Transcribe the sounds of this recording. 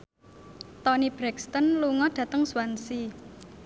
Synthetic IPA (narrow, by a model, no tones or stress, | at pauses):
t̪ɔnib̥ɾɛkst̪ənluŋɔɖ̥ä̤t̪əŋswansi